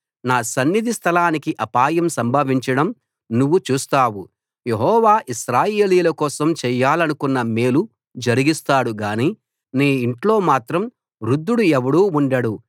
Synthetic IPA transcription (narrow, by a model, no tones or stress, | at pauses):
naːsɐnːid̪ʱist̪ʰɐlaːnikiʔɐpaːjɐmsɐmbʱɐːʋiɲt͡ʃɐɽɐm | nuʋːut͡ʃuːst̪aːwu | jeɦɔːʋaːʔiʃɾaːjeːliːlɐkɔːsɐmt͡ʃɛjːaːlɐnukunːɐmeːlu | d͡ʒɐɾiɡist̪aːɽuɡaːniː | niːiɳʈlo̞ːmaːt̪ɾɐm | ɾud̪ːuɽuɛʋɐɽuːuɳɖɐɽu